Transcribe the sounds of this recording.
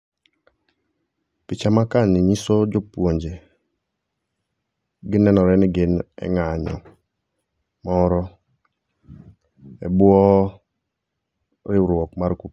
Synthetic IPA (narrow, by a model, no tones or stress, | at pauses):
pɪt͡ʃamakanɪɲisɔd͡ʒɔpwoɲd͡ʒe | ɡɪnɛnɔɾɛnɪɡɪnɛ̰ŋaɲɔ̰ | mɔɾɔ | ɛ̰bwɔ | ɾɪɾwɔkmarku